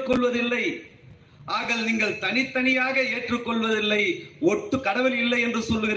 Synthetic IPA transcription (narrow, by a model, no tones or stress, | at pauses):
kːɔɭʋɐðɪlːɐɪ | ʔaːɣɐɭniːŋɡɐɭt̪ɐnɪt̪ːɐnɪjaːɣɐeːʈrɯkːɔɭʋɐðɪlːɐɪɔʈːɯkɐɽɐʋɪlɪlːɐɪɛndrɯsɔlːɯɣɪɾ